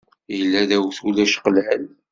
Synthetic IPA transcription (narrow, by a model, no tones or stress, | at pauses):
jəlːæðæwθulæʃqəlʕəl